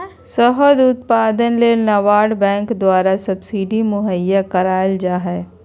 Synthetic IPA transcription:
səɦəd̪ʊt̪̚paːd̪ənleːnɐʋaːɽbɛ̃ːŋkd̪waːɾasɐbsiɖimʊɦəjːakɐɾaːld͡ʒaɦɛː

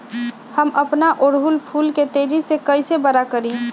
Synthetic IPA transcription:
həməpnaʔoɾɦulpʰuːlket̪eːd͡ʒisekəisebəɾakəɾĩ

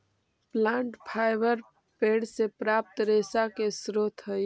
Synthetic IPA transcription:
plãːɳʈpʰaːjbəɾ | peɽsepɾaːp̚t̪ɾesakesɾot̪ʰɦə

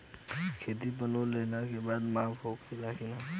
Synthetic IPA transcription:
kʰeːt̪ip̬ənoleːlakebaːd̪maːfɦoːkilaːkina

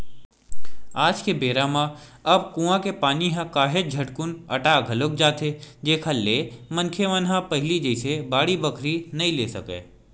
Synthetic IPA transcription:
aːd͡ʒkebeːɾaːmã | ɐb̚kũːãkepaːniɦãkaːɦed͡ʒʱɐʈkʊnɐʈaːɡʱɐlok̚d͡ʒaːt̪ed͡ʒeːkʰaleːmɐ̃nkʰeʋɐnɦãpɐɦɪlid͡ʒəɪsebaːɽibɐkʰɾinɐɦĩleːsɐkḛː

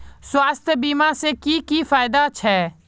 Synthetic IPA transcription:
swaːst̪ʰbiːmãsekikifaːɪd̪at͡ʃʰɛː

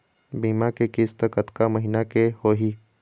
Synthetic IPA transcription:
biːmakekɪst̪əkət̪kaməɦinakehoːɦiː

